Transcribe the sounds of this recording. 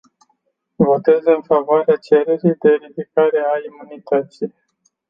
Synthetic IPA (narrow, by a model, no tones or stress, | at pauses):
vo̞t̪e̞zɨnfavoaɾeat͡ʃe̞ɾeɾijd̪e̞ɾifikaɾe̞aimunit̪ət̪sij